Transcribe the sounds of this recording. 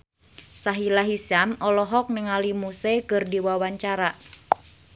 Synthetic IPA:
saɦilaɦisamɔlɔɦɔk̚nəŋalimusekɨrdiwawaɲt͡ʃaɾa

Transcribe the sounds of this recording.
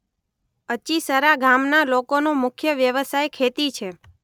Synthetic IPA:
ət͡ʃisəɾaɡʱamnalokonomʊkʰjəʋjəʋəsajkʰet̪it͡ʃʰe

